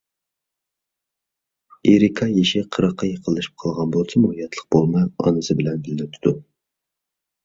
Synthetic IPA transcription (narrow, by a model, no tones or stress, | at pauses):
eɾikʰɑjeʃɪqʰəɾɑqʰːɑjəqʰəlˠːɨʃi̥p̚qʰɑlˠʁɑnbolˠt͡ʃʰɪmuhijɛt̪ʰlˠə̥q̚bolˠmɑɑ̰nɨsɨbɪlɛnbɪlːɪt̪ʰud̪̥u